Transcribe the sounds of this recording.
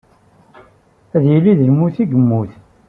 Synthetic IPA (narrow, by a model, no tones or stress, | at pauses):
æðjilːiðəlmuθiɡəmːuθ